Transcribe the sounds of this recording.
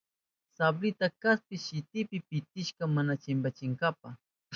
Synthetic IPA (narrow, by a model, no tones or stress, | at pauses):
sablɪt̪akaspɪʃɪt̪ɪpɪpɪt̪ɪʃkamanat͡ʃɪmbat͡ʃɪŋɡap̚a